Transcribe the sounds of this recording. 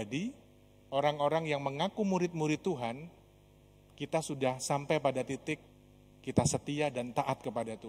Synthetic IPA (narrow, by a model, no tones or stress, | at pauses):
adi | ʔoɾaŋoɾaŋjaŋməŋakumuɾɪt̪̚muɾɪt̪ːuɦan | kit̪asudahsampajpadat̪it̪ɪkː | it̪asət̪iadant̪aʔat̪̚kəpadat̪u